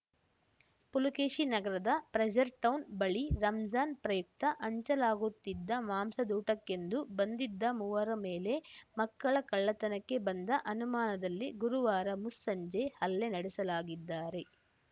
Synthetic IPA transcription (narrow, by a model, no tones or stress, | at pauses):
pulukeːʃinɐɡɐɾɐd̪ɐpɾɐd͡ʒɐɾʈɐwnbɐɭiɾɐmd͡ʒaːnpɾɐjuk̚t̪ɐʔɐɲt͡ʃɐlaːɡut̪ːid̪ːɐmaːmsɐd̪uːʈɐkːe̞nd̪ubɐnd̪id̪ːɐmuːʋɐɾɐme̞ːle̞mɐkːɐɭɐkɐɭːɐt̪ɐnɐkːe̞bɐnd̪ɐʔɐnumaːnɐd̪ɐlːiɡuɾuʋaːɾɐmusːɐɲd͡ʒehɐlːenɐɽɛsɐlaːɡid̪ːaːɾe̞